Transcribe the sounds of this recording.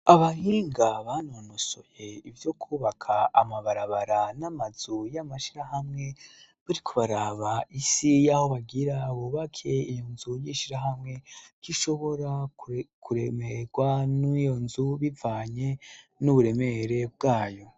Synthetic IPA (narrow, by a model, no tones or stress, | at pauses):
aβahiːŋɡaβanonoso̞je̞ivjo̞kʰuːβakʰaːmaβaɾaβaɾanamazujamaʃiɾahamŋe̞βaɾikʰoβaɾaːβaisijaho̞βaɡiɾaβuβakʰe̞ijonzujiʃiɾaɦamŋe̞kiʃo̞βo̞ɾakʰuɾemeɡwanijo̞nzuβivaːɲe̞nuβuɾe̞meɾe̞b̚ɡaːjo̞